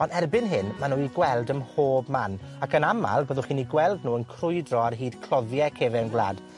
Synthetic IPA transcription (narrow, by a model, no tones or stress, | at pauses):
ɔnɛrbɪnɦɪnmanuːiɡwɛlˠdəmhoːbman | akʰənama̰lˠbəːðʊχiːniɡwɛlˠdnuːənkʰrʊjdrɔarɦiːd̥kʰlˠɔðjɛkʰeːvɛənɡlˠa̰ːd